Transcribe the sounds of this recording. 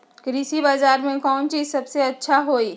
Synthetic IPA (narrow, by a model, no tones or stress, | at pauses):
kɾisibaːzaːɾmẽkɔːnt͡ʃiːzsɐbseɐtːʃʰaɦoːiː